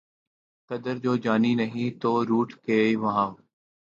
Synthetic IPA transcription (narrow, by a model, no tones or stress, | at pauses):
kəd̪əɾd͡ʒoːd͡ʒaːniːnəɦĩːt̪oːɾuːʈʰkeːiʋəɦãː